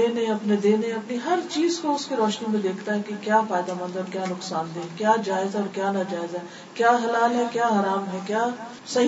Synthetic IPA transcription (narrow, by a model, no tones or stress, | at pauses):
eːnẽɐpned̪ẽːnẽɐpniɦɐɾt͡ʃiːzkoʊskiɾɔːʃnimẽd̪eːkʰt̪aɦɛkekjaːfaːɪd̪amə̃nd̪ɔːɾkjaːnʊksaːnd̪ẽːkjaːd͡ʒaːɪzɦɛɔːɾkjaːnad͡ʒaːɪzɦɛ | kjaːɦɐlaːlɦɛkjaːɦaːɾaːmɦɛkjaː | sɐɦ